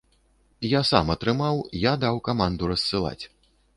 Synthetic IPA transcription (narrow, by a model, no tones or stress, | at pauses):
jasamɐt̪ɾɨmawjad̪awkamand̪uɾɐssɨlˠa̰t͡sʲ